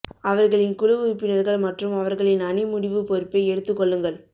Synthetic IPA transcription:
ɐʋɐɾɣɐɭɪnkʊɻɯʋɯɾpːɪnɐɾɣɐɭmɐʈrɯmɐʋɐɾɣɐɭɪnɐnɪmʊɽɪʋɯpɔɾɯpːeɪɛɽɯt̪ːɯkːɔɭːɯŋɡɐɭ

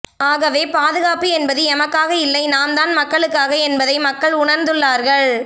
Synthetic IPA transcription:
aːɣɐʋeːpaːðɯɣaːpiɛnbɐðɯɛmɐkːaːɣɐɪlːɐɪnaːmd̪aːnmɐkːɐɭɯkːaːɣɐɛnbɐðɐɪmɐkːɐɭʊɳɐɾnd̪ɯɭːaːɾɣɐɭ

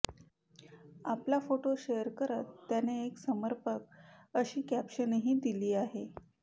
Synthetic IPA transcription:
aplafoʈoɕejəɾkəɾət̪ːjaneːksəməɾpəkəɕiːkæpɕənɦiːd̪iliːaɦe

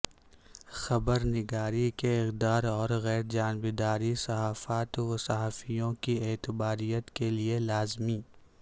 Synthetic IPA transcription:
xɐbəɾnɪɡaːɾikeɪqd̪aːɾɔːɾɣɛːɾd͡ʒaːnbed̪aːɾisɐɦaːfaːt̪ɐsaɦaːfijõkieːt̪ɪbaːɾijət̪kelielaːzmiː

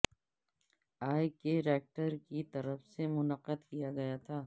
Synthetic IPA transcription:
aːjkeɾɛːk̚ʈəɾkit̪ɐɾəfsemʊnəqəd̪kijaɡɐjat̪ʰaː

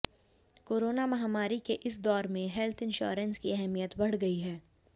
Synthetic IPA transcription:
koːɾoːnamɐɦaːmaːɾikeʔɪs̬d̪ɔːɾmẽɦɛlt̪ʰɪ̃nʃo̰ːɾənskiɛɦɛmijət̪bɐɽ̤ɡɐiɦɛː

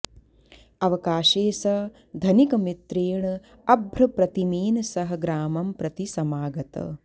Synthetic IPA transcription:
ɐʋɐkaːʃeːsɐ | d̪ʱɐnikɐmit̪ɾeːɳɐ | ɐbʱɾɐpɾɐt̪imiːnɐsɐɦɐɡɾaːmɐmpɾɐt̪isɐmaːɡɐt̪ɐ̰

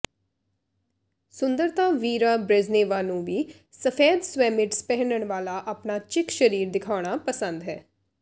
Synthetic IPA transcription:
sʊnd̪əɾt̪aːʋiːɾaːbɾeːzneːʋaːnũːʋiː | səfʰɛːd̪swɛːmɪʈspɛːɦnəɳ̃ʋaːlaːʔaːpnaːt͡ʃɪkʃəɾiːɾd̪ɪkʰaːɽ̃aːpəsə̃nd̪ɦɛː

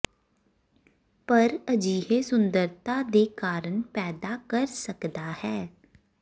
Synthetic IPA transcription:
pɐɾɐd͡ʒiːɦesʊ̃nd̪əɾt̪ad̪eːkaːɾənpɛːd̪akɐɾsɐkd̪ahɛː

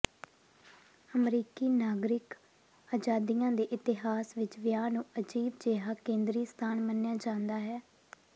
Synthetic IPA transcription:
əmɾiːkiːnaːɡɾɪk | aːd͡ʒaːd̪ijãːd̪eːʔɪt̪ɪɦaːsʋɪt͡ʃʋɪjaːnũːəd͡ʒiːbd͡ʒeːɦaːkẽːnd̪ɾiːst̪ʰaːnmənjaːd͡ʒãːnd̪aːɦɛː

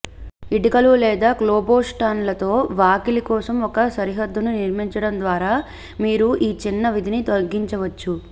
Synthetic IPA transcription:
iʈikɐlulɛːd̪aːklɔːboːsʈaːnlɐt̪o̞ːʋaːkilikɔːsɐmɔkɐsɐɾiɦɐd̪ːununiɾmiɲt͡ʃɐɽɐnd̪ʋaːɾaː | miːɾuʔiːt͡ʃinːɐʋid̪ʱinit̪olɡiɲt͡ʃɐʋɐt͡ʃːu

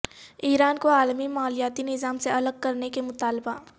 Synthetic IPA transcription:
iːɾaːnkoaːlmimaːlijaːt̪inɪzaːmseɐləɡ̚kɐɾnekemʊt̪aːlba

